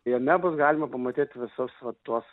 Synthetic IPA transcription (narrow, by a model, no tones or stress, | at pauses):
jɛmʲɛbʊsɡɑːlʲɪmɐpɐmɐt̪ʲiːt̪ʲʋʲɪsʊsʋɐt̪uɔs